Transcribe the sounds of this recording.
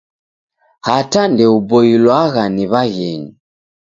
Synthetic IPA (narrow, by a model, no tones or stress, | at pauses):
hatandɛubɔilwaɣaniβaɣɛɲi